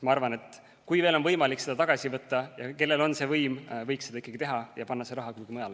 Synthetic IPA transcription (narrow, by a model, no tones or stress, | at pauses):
mɑɑrvɑne̞t̪ːˑ | kujve̞ːlo̞nvɤjmɑlikse̞d̪ɑt̪ɑɡ̥ɑsʲivɤt̪ːˑɑjɑke̞lːe̞lo̞nse̞vɤjmvɤjksed̪̥ɑikːˑɑɡit̪e̞ɦɑjɑpɑnːɑseɾɑɦɑkuɡ̥imɤjɑl